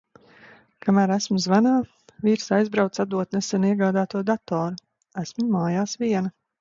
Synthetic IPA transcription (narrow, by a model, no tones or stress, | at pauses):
kamæːɾæsmʊzvanaː | viɾsajzbɾawt̪sad̪uɔt̪nɛsɛniɛɡaːd̪aːt̪uɔd̪at̪ɔːɾu | æsmumaːjaːsviɛna